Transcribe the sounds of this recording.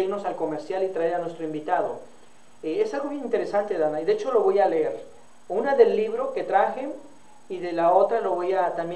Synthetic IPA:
iɾno̞salko̞meɾsjalit̪ɾaeɾanwest̪ɾo̞imbit̪aðo | eesalɣomjenint̪e̞ɾe̞sant̪eðanaiðeet͡ʃo̞lo̞βo̞jaleeɾ | unaðe̞lːiβɾo̞ke̞t̪ɾaxen | iðe̞lao̞t̪ɾalo̞β̞o̞jat̪ambje

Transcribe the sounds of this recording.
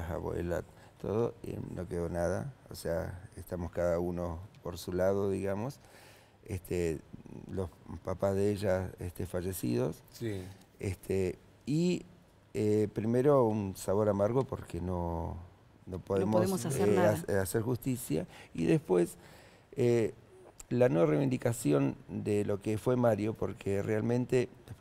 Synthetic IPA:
axa̰βwḛla̰ | t̪ʰo̞̰ðoḛnʔo̞keðo̞nað̞a̰o̰sea̰est̪amo̞skaðauno̞po̞ɾsulað̞o̞ðiɣamo̞s | est̪ʰelo̞spapazðeeʒaest̪efaʒe̞sḭðo̞ssi | ḛst̪ʰe | i | epɾime̞ɾo̞unsaβ̞o̞ɾamaɾɣo̞po̞̰ɾkeno | nopoðemosoaseɾxust̪isja̰ḭðespwe̞s | e | lanweβareβind̪ikasjo̞nd̪elo̞kefwe̞maɾjo̞po̞ɾkʰerealmẽnt̪e̞

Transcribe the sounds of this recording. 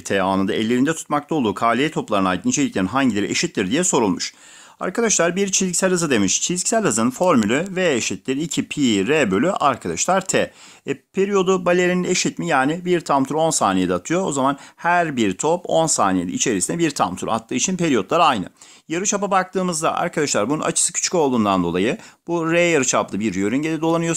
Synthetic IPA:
t̪ʰeaːnɯnd̪aɛlʲːe̞ɾind̪ɛt̪ʰu̥t̪mak̚t̪ʰao̞lˠduːkʰaːlʲijɛt̪ʰo̞plˠaɾɯnajd̪ɯnit͡ʃʰeliclʲeinɦaɲɟilʲeɾiʔeʃit̪lːʲiɾd̪ijɛso̞ɾulˠmuʃ | a̰ɾkad̪aʃlˠaɾbiɾt͡ʃʰizʲɟisælʲhazɯd̪e̞miʃt͡ʃʰizɡci̥sælʲhazɯnfo̞ɾmylʲyvɛːʃit̪lʲiɾicʰipʰiɾebølʲyʔa̰ɾkʰad̪aʃlˠaɾt̪ʰɛ | ɛpʰe̞ɾijo̞d̪ubalʲe̞ɾinineʃit̪mijaːnibiɾt̪ʰamt̪ʰuɾo̞nsaːnijed̪ɛat̪ʰɯjo̞ozamanhæɾbiɾt̪ʰopo̞nsa̰ːnejed̪ɛ̰ḭt͡ʃʰe̞ɾisinɛbiɾt̪ʰa̰mt̪ʰuɾa̰t̪ʰːɯːit͡ʃʰinpʰe̞ɾio̞t̪lˠaɾajnɯ̰ | jaɾɯt͡ʃapabak̚t̪ʰɯːmɯzd̪a̰ʔa̰ɾkʰad̪aʃlˠaɾbunṵna̰t͡ʃʰɯ̥sɯcʰy̥t͡ʃʰy̥cʰʲo̞lˠd̪uːnd̪and̪o̞lˠa̰jɯb̥uɾejaɾɯt͡ʃaplˠɯbiɾjøɾyɲɟe̞d̪ɛd̪o̞lˠanɯjo

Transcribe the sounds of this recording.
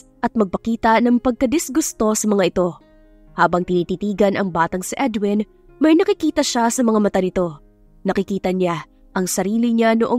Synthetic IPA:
ʔɐt̪̚mɐɡ̚pɐkiːt̪ɐnɐŋpɐɡ̚kɐd̪ɪsɡʊst̪o̞sɐmɐŋaʔɪt̪o̞ | haːbɐŋt̪ɪniːt̪it̪iːɡɐnʔɐŋbaːt̪ɐŋsɪʔɛd̪wɪn | mɐjnɐkɪkiːt̪ɐʃasɐmɐŋamɐt̪anɪt̪o̞ | nɐkɪkiːt̪ɐɲa | ʔɐŋsɐɾiːlɪɲanoʔo̞

